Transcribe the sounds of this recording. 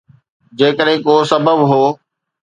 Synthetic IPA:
d͡ʑeːkəɗɦɪ̃koːsɐbəbɦoː

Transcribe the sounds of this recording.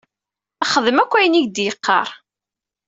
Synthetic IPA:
æχəðəmækʷːæjniʝd̪jəqːɑ̰ɾˤ

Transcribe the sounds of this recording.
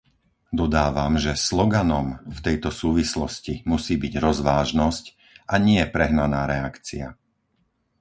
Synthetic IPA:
d̪ɔd̪aːʋamʒɛslɔɡanɔmft̪ɛjt̪ɔsuːʋislɔ̰scimusiːbiɟɾɔzʋaːʒnɔsc | aɲɪɛpɾɛɦnanaːɾɛakt͡sia̰

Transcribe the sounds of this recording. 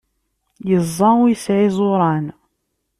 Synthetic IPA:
jəzˤːɑwjəsʕizˤoɾˤɑn

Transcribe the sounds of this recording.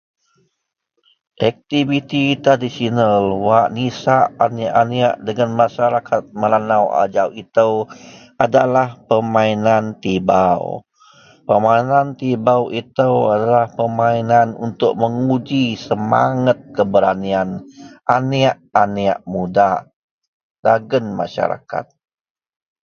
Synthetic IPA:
ʔɛk̚t̪ivit̪it̪ɾadisionalwaʔnisaʔaniaʔaniaʔdəŋanmaʃaɾakʰat̪̚məlanawa̰d͡ʒawit̪əwʔadalahpəmainant̪ibaw | pəmainant̪ibawit̪əwadalahpəmainanṵnt̪ʊk̚məŋud͡ʒisəma̰ŋət̪̚kəbəɾanianʔaniaʔania̰ʔmudaʔ | d̥aɡənma̰ʃa̰ɾa̰ka̰t̪̚

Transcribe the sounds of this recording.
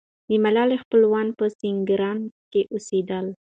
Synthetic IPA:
d̪əmalɑlexpəlwɑnpəsɪŋɡɾɑnkeʔused̪əl

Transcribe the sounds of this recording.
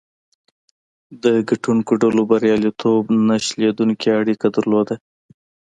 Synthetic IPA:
d̪əɡaʈuŋkoɖalobaɾjɑlit̪ʰobnaʃled̪uŋkeaɽikad̪aɾlod̪a

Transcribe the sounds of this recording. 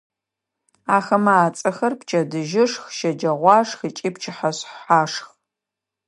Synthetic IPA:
aːxɐmaːt͡sʼɐxɐrpt͡ʃʰʼɐdɨʒɪʂxʃɐd͡ʒɐʁʷɑːʂxət͡ʃʼiːpt͡ʃʰɪħaɕħaːʂx

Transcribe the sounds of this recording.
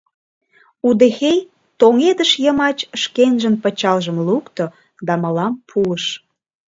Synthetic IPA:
ud̪exej | t̪oŋed̪əʃjəmɑt͡ɕəʃkenʒənpət͡ɕɑlʒəmlukt̪o | d̪ɑmə̆lɑmpʰuəʃ

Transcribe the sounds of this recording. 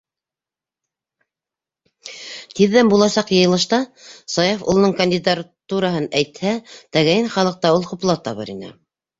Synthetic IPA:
t̪iðːæmbulˠɑsɑqjɤ̆jɤ̆lˠɤ̆ʃt̪ɑsɑjofṵlˠnɤɴkɐnʲd̪ʲid̪aɾt̪uɾɑɦɤnæjt̪hæt̪æɣæjɘnχɑlˠɤ̆q̚t̪ɑulˠqŭplˠɑt̪ɑβɤ̰ɾḭnɘ̰

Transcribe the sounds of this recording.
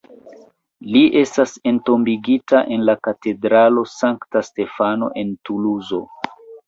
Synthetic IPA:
liʔe̞stase̞nto̞mbiɡitaʔe̞nlakate̞dɾalo̞saŋktaste̞fano̞̰ʔe̞ntuluzo̞̰

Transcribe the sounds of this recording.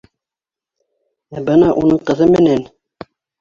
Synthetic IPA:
æbɤnɑʔunɤɴqɤ̆ðɤmɘ̆næn

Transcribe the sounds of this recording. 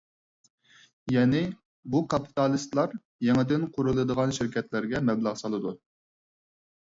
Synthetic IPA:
jɛːnɪ | bukʰɑpʰi̥t̪ɑlˠɨst̪lˠɑɾ | jɛŋɨd̪ɪnqʰʊɾulˠɨd̪əʁɑnʃɪɾkʲʰɛt̪lɪɾɡʲɛmɛblˠɑʁsɑlˠɨd̪u

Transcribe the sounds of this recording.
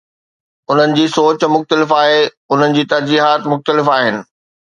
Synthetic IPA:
ʊn̤ənɪ̆d͡ʑiːsoːt͡ɕmʊxt̪əlɪfaːɦe | ʊn̤ənɪ̆d͡ʑiːt̪ɐɾd͡ʑiːɦaːt̪mʊxt̪əlɪfaːɦɪnɪ̆

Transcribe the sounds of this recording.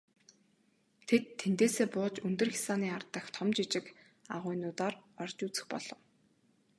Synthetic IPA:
t̪ʰet̪ʰːent̪eːseːpʊːt͡ɕɵnt̪ɵ̆rxʲi̥saːniːart̪ə̆xt̪ʰɔmt͡ɕit͡ɕɪ̆k | a̰ʁʊːjnʊːt̪aːrɔrt͡ɕuːt͡sɘ̥̆xpɔɮ̥ɞ̆w

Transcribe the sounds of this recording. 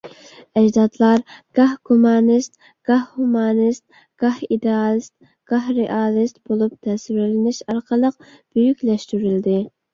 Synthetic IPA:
ɛd͡ʒd̪ɑd̪lˠɑɾɡ̥ɑhɡumɑnist̪̚ | ɡ̥ɑhhumɑnɨst̪̚ | ɡ̥ɑhid̪eɑlˠɨst̪̚ | ɡ̥ɑɦɾeʔɑːlˠɨst̪̚b̥olˠup̚t̪ʰɛswɪɾlɪnɪʃɑɾqəlˠəq̚ | b̥yjykʲlɛʃt̪yɾyld̪ɪ

